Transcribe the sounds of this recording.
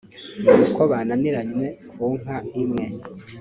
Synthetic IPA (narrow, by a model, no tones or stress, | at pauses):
ukʰoβananiɾaɲmekʰuŋ̥aimŋe̞